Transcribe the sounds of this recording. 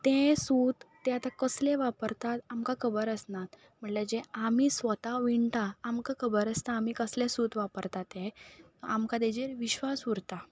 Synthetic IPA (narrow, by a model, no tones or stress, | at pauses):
t̪ẽsut̪ːɛat̪akəslẽʋapəɾt̪at̪amkakʰəbəɾəsnat̪ | m̤əɳled͡ʑeamisʋət̪aʋiɳt̪aːmkakʰəbəɾəst̪aːmikəslesut̪ʋapəɾt̪at̪je | amkad̪ed͡ʑeɾʋiɕʋasuɾt̪a